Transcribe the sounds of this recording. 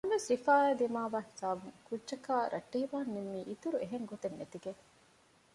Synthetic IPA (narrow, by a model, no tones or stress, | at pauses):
ɐʋesifaːæːd̪imaːʋaːhi̥saːbuŋkudːd͡ʒɐkaːɾʔɐʈːeːʋaːnːemːiːʔit̪uɾueɦeŋɡot̪enːet̪iɡe